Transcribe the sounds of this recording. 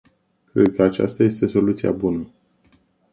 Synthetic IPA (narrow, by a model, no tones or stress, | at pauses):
kɾe̞d̪̚kəat͡ʃa̰st̪aje̞st̪e̞so̞lut̪sia̰bunə